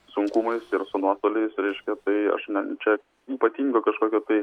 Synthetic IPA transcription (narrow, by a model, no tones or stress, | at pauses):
sʊŋkuːmɐɪsɪɾsʊnuɔst̪oːlʲɛɪsɾʲɛɪʃʲkʲɛt̪ɐɪɐ̰ʃnʲɛt͡ʃʲɛ | iːpɐt̪ʲiːŋɡoːkɐʃkoːkʲoːt̪ɐɪ